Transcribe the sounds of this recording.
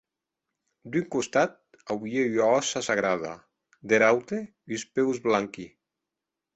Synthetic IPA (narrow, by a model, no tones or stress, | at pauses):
d̪yŋkost̪at̪̚ | awieaɔsasaɣɾaða̰ | d̪eɾawt̪e | ispewzβlaŋki